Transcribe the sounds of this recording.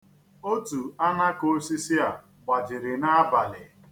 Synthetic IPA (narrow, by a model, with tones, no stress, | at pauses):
o˦tu˨a˦na˦ko˦si˦si˦a˨ | ɡ͡ba˨d͡ʒɪ˨ɾɪ˨na˦ba˨lɪ˨